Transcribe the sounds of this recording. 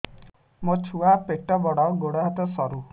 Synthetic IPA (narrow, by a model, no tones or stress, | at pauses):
mot͡ʃʰuapeʈɔbɔɽɔɡoɽat̪ɔsɔɾu